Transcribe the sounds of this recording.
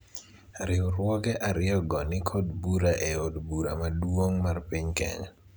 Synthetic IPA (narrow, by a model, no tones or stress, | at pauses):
aɾɪʊɾwɔɡɛʔaɾɪɔɡɔnɪkʰɔdbuɾaʔɛodbuɾa̰madwoŋmarpiɲkɛ̰ŋa